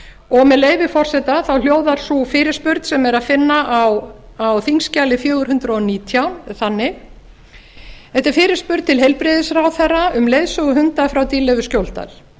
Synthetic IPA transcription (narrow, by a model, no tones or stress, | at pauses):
ɔɣmɛðleːjvɪfɔr̥sɛt̪aθawl̥joːwðaɾ̥sufɪːɾɪɾspʏɾt̪sɛmɛɾaðfɪnːaʔaw | awθiŋscaːlɪfjœːɣʏɾ̥hʏnt̪ɾaɔniːt̪ʰjawθanːɪ | θɛht̪ɪɾ̥fɪːɾɪɾ̥spʏɾ̥t̪t̪ʰɪlɦejlpɾɪðɪsrawθɛrːaʏmlejðsœɣʏɦʏnt̪afɾawt̪iːlɛvʏscjowlt̪a̰ɾ̥